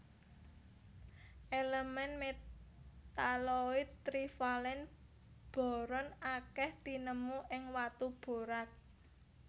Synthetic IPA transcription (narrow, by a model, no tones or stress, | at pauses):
ʔeləmɛnme | t̪aloiɾifalɛn | b̥ɔ̤ɾɔnakɛht̪inəmuʔɪŋwat̪ub̥o̤ɾak̚